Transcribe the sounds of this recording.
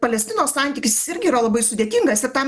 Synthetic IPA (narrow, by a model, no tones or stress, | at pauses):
pɐlʲɛsʲt̪ʲɪnoːssɑˑnʲt̪ʲiːkʲɪsʲɪ̥sɪɾʲɡʲɪiːɾɐlˠɐbɐɪsʊd̪ʲeːt̪ʲɪŋɡɐsɪɾt̪ɐm